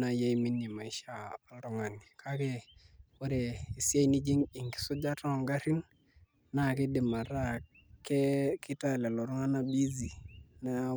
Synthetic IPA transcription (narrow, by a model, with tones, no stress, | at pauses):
na˨ja˦i˦mi˦ni˨ma˨i˦ʃa˦˨a˨lɾɔ˦ŋa˨ni˨kʰa˦ke˦wo˦ɾe˨i˨sja˦i˦ni˦d͡ʒi˦ŋi˨ŋki̥˨sʊ˦d͡ʒa˦tɔ˦˨ŋɡa˦ɾi˦n | na˦˨kɪ˦dɪ˨ma˨ɾa˦˨ | ke˦kɪ˦ta˦˨le˨lɔ˨ɾʊ˦ŋa˦na˦bi˦zi˨na˦